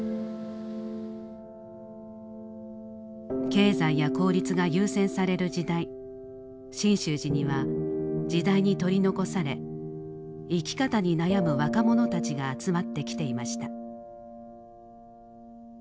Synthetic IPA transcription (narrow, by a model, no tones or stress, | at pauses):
ke̞ːzaijako̞ːɾʲit͡sɨɡajɯːsẽ̞ɰ̃saɾe̞ɾɯ̟d͡ʑid̪ai | ɕĩɰ̃ɕɨːʑiɲ̟iβad͡ʑid̪aiɲ̟it̪o̞ɾʲino̞ko̞saɾe̞̰ | ikʲi̥kat̪aɲ̟inajamɯ̟βakamo̞no̞t̪at͡ɕiɡaːt͡sɨmat̪ːe̞kʲi̥t̪e̞imaɕi̥t̪a